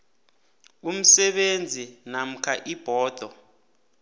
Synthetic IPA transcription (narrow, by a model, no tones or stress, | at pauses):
um̩sɛɓend͡zʱinam̩kʰaʔib̥ʱɔːd̪̥ʱɔ